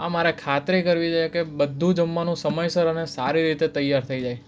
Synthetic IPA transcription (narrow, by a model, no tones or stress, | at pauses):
amaɾekʰat̪ɾeekəɾʋid͡ʒajekebəd̪ʱːũd͡ʒəmːanũsəməjsəɾənesaɾiɾit̪et̪əjːaɾt̪ʰəid͡ʒaj